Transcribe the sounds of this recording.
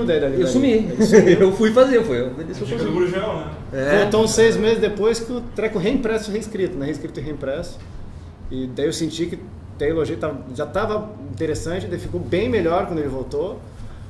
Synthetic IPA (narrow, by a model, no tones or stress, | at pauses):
d̪aid̪alisumisiewfujfazeefujeedisẽɾiʒeɾawnɛ | ɛõt̪ɐ̃w̃sejɪzmezɪzd̪epojskɪʊt̪ɾɛkʊ̃ɦẽĩpɾɛsʊheĩskɾit̪ʊnɛ̃hẽskɾit̪ʊɪ̃ɦẽĩpɾɛsʊ̥ | ɪd̪aiewsẽnt͡ʃikɪ | t̪ẽjeloʒiɐkt̪avɐʒat̪avɐ | ĩnt̪eɾesɐ̃nt͡ʃɪd̪eɪlɪfikobẽj̃meʎɔɾkwɐ̃d̪elɪvowt̪o